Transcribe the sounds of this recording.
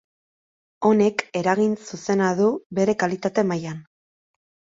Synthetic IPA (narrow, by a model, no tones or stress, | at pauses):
o̞ne̞ke̞ɾaɣinsuse̞naðuβe̞ɾe̞kalit̪at̪e̞majan